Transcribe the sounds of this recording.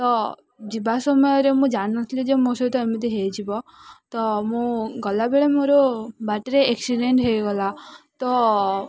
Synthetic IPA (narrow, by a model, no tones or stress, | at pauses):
t̪ɔ | d͡ʒibasɔmɔjɔɾemũd͡ʒannɔt̪ʰlid͡ʒemosɔt̪ɔemɔd̪iɦejd͡ʒibɔt̪ɔmũɡɔlabeɭemoɾobaʈɾeeksiɖeɳʈɦejɡɔlat̪ɔ